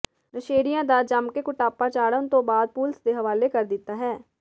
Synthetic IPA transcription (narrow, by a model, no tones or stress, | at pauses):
ɾəʃeːɽɪjãːd̪aːd͡ʒəmkekʊʈaːpaːt͡ʃaːɽənt̪õːbaːd̪̚puːlsd̪eːɦəʋaːleːkəɾd̪ɪt̪ːaːɦɛː